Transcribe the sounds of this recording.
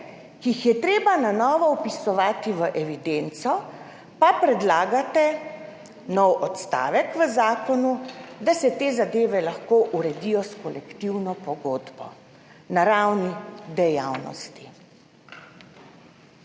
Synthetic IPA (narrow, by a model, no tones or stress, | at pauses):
kiixjɛt̪ɾeːbananɔːʋɔɔpisɔʋaːt̪iʋəʔɛʋid̪ent̪sɔ | papɾɛd̪laːɡat̪ɛ | nɔwɔt̪st̪a̰ːʋɛkʋəzaːkɔnud̪asɛt̪eːzad̪eːʋɛlaxkoːʔuɾɛd̪ijɔskɔlɛkt̪iwnɔpɔɡoːd̪bɔ̰ | naɾawnid̪ɛjawnɔ̰st̪i̥